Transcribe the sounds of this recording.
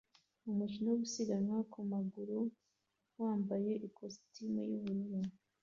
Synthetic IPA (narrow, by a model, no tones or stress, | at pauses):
umut͡ʃinoβusiɡaɲwakumaɡuɾu | waːmbaje̞ʔikʰostimujuβuɾuɾu